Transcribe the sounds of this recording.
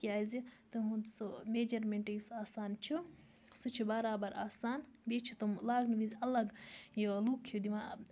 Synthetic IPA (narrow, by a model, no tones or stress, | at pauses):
kiaːzit̪umɦũd̪someːd͡ʒɐɾmeɳʈɐjisaːsaːnt͡ʃʰu | sut͡ʃʰibaːɾaːbɐɾa̰ːsaːnbet͡ʃʰit̪umlaːɡniʋizʲɐlɐɡjiɐluːkʰjud̪iʋaː